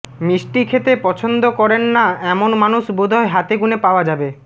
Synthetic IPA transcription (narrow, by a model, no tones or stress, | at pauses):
miʃʈikʰet̪epɔt͡ɕʰond̪okɔɾenːaɛmonmanuʃbud̪ʱɔeɦat̪eɡunepaoad͡ʑabe